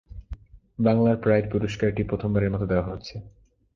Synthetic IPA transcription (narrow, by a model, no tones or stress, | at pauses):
baŋlaɾpɾajɾpuɾoʃkaɾʈipɾot̪ʰombaɾeɾmɔt̪od̪eoaɦot̪ːɕʰe